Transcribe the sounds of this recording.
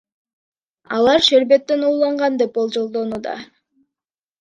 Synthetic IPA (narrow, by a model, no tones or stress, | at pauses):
ɑ̰lˠɑɾʃeɾbe̞t̪ːe̞nuːlˠɑɴʁɑnd̪e̞p̚bo̞lˠd͡ʒo̞lˠd̪o̞nuːd̪ɑ̰